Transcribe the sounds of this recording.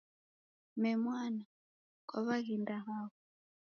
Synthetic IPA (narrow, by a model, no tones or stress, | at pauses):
mɛmwana | kɔβaɣindaɦaːβɔ